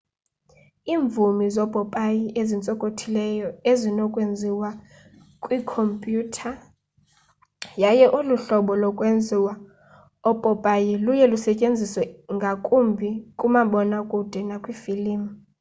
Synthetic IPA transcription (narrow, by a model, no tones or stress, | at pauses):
iːɱb̪vumizɔb̥ʱʼɔpʼajiʔezint͡sʼɔkʼotʰilɛjɔezinɔkʼwend͡zʱiwa | kʼwikʰompʼjuːtʰa | jajɛʔuluɬɔɓɔlɔkʼwend͡zʱiwa | ɔpʼɔpʼajilujɛlusɛcʼend͡zʱiswɛŋɡʱakʼumbʱikʼumaɓɔnakʼud̥ʱɛnakʼwifiliːm̩